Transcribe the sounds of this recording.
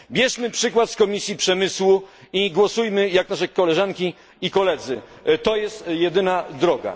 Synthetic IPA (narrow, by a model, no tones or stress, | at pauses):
bʲjɛʂmɘpʂɘkwat̪skɔmʲisʲjipʂɛmɘswu | iɡwɔsujmɘjaknaʂɛkɔlɛʐaŋkʲi | ikɔlɛd̪zɘt̪ɔjɛst̪jɛd̪ɘnad̪ɾɔɡa̰